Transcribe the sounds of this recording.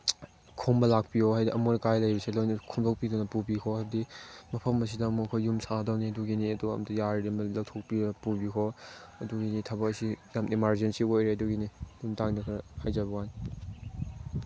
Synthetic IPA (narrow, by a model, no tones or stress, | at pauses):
kʰombɐlak̚piɔɦajdiʔɐmonɐkajlɐjbɐselojnɐkʰumtʰɔk̚pidunɐpubikʰɔɐdimɐpʰɐmɐs̬idɐːmuɐkʰojumsadɐwniɐduɡiniɐduɐ̰mtʰɐjaɾidemɐlɐwtʰok̚pidunɐpubikʰɔɐduɡinitʰɐbɐkɐsijamʔimaɾzensiojɾeɐduɡinijumtaŋdakʰɐhajzabɐwajn